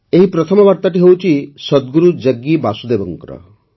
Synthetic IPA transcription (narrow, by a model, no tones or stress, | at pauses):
eɦipɾɔt̪ʰɔmɔbaɾt̪aʈiɦewt͡ʃʰisɔd̪ɡuɾud͡ʒəɡːibasud̪ebɔŋkɾɔ̰